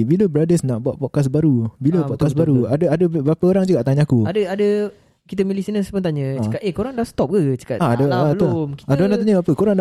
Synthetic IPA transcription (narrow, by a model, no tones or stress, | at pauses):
biləbəɾadəsnaʔbuaʔ̪pɔkas̬baɾubiləpɔkas̬baɾuadəadəbɾapaoɾaŋd͡ʒuɡaʔt̪aɲaakuadəadə | kit̪əmilisinəsəbənt̪̬aɲə̃t͡ʃəkat̪ehkoɾaŋdast̪ɔp̚ɡət͡ʃə̥kat̪aadaalomiadanat̪aɲãbapəkoɾaŋna